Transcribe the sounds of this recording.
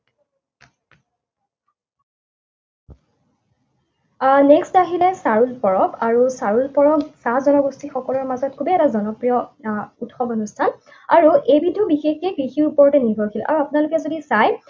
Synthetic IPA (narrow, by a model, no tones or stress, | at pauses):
nɛkstaɦilɛsaɹulpɔɹɔbaɹusaɹulpɔɹɔbsazɔnɔɡostʰixɔkɔlɔɹmazɔt̚kʰubeɛtazɔnɔpɹijɔutxɔbonustʰan | aɹuʔejbidʱːɔbixexɛkɹixiɹupɔɹtɛniɡʱɔjkʰilʔa̰ɹuapunalʊkɛzodisaj